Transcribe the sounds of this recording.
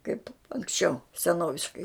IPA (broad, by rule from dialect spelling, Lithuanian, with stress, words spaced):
kɐɪp ɐŋksʲˈt͡ʃʲɛʊ sʲɛˈnoːʋʲɪʃkɐɪ